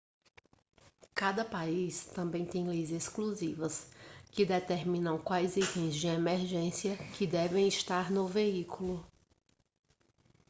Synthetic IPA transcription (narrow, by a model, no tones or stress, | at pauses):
kad̪ɐpaist̪ɐ̃mbẽj̃t̪ẽj̃lejzeskluzivɐskɪd̪et̪eɾmĩnɐ̃w̃kwajzitẽj̃zd͡ʒɪemeɾʒẽsiɐkɪd̪ɛvẽj̃iʃt̪aɾnʊveikulʊ